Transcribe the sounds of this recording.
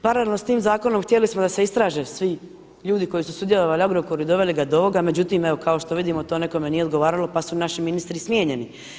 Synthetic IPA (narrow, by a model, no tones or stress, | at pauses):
paɾalelno̞st̪iːmzaːko̞nomxt̪jelismod̪ase̞ist̪ɾaːʒesʋi | ʎuːd̪iko̞jisusud̪je̞loʋalioɡɾokoɾuid̪o̞ʋe̞liɡad̪ooʋo̞ɡame̞d͡ʑut̪iːmeʋo̞kʰao̞ʃt̪o̞ʋid̪imo̞t̪o̞ːne̞kome̞nijeod̪ɡo̞ʋaːɾalo̞pasunaʃiminist̪ɾismjeːɲe̞ni